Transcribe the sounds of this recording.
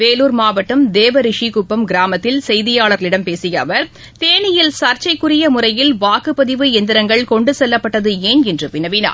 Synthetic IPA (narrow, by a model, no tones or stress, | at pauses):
ʋeːluːɾmaːʋɐʈːɐmd̪eːʋɐɾɪʂikʊpːɐmɡɪɾaːmɐt̪ːɪlsɛjðɪjaːɭɐɾlɪɽɐmpeːsɪjɐʋɐɾ | t̪eːnɪjɪlsɐɾt͡ʃɐɪkːɯrɪjɐmʊrɐjɪlʋaːkɯpːɐðɪʋɯɛnd̪ɪɾɐŋɡɐɭkɔɳɖɯsɛlːɐpːɐʈːɐðɯeːnɛndrɯpɪnɐʋɪna̰ː